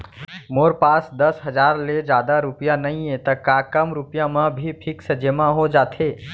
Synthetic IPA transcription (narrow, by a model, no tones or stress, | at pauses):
moɾpaːsd̪əsɦəd͡ʒaːɾled͡ʒaːd̪aɾupjanəĩẽt̪əkakəmɾupijãmə̃bʱipʰiksəd͡ʒemãɦod͡ʒaːt̪ʰe